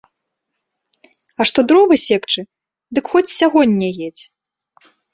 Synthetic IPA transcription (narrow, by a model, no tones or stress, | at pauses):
ɐʂt̪ɔd̪ɾɔvɨsʲɛkt͡ʂɨ | d̪ɨkxɔt͡sʲsʲaɣɔnʲːɛɣjʲɛt͡sʲ